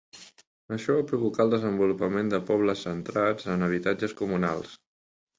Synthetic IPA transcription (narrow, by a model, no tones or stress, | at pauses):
əʃɔβapɾuβukalˠd̪əzəmbulupəmend̪əpɔβləsːənt̪ɾad͡zənəβ̞it̪ad͡ʒəskumuna̰lˠs